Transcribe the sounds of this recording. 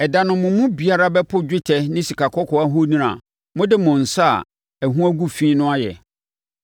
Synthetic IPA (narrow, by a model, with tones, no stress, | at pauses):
ɛ˨dã˨nʊ̃˨mʊ̃˨mʊ̃˦bi˨a˦ɾa˦bɛ˦pʰʊ˦d͡ʑᶣɪ˦tʰɛ˦nɪ̃˦si˨kʰa˨kʰɔ˦kʰɔ˨a˦ɦo˦nĩ˦ɾã̰˨ | mʊ̃˦dɪ˦mʊ̃˨n̩˨sa˦a̰˨ | æ˨ɦũ˦æ˦ɡu˦fĩ˦nʊ̃˦a˦jɛ̰˨